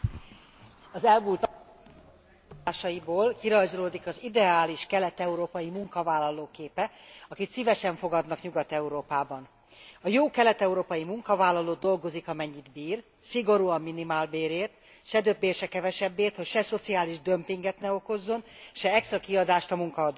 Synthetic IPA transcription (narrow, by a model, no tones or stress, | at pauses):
ɒzɛlmult̪ | aːʃɒjiboːlkiɾɒjzoloːd̪ikɒzid̪ɛaːliʃkɛlɛt̪ɛuɾoːpɒjimuŋkɒvaːlːɒloːkeːpɛɒkit̪sivɛʃɛɱfo̞ɡɒd̪nɒkɲuɡɒt̪ɛuɾoːpaːbɒn | ɒjoːkɛlɛt̪ɛuɾoːpɒjimuŋkɒvaːlːɒloːd̪o̞lɡo̞zikɒmɛɲːid̪biːr | siɡo̞ɾuːɒmːinimaːlbeːɾeːrt̪ | ʃɛd̪øbːeːrʃɛkɛvɛʃɛbːeːrt̪ho̞cʃɛso̞t̪siaːliʒd̪ø̞mpiŋɡɛt̪nɛo̞ko̞zːo̞nʃɛɛkst̪rɒkiɒd̪aːʃt̪ɒmuŋkɒɒd̪ː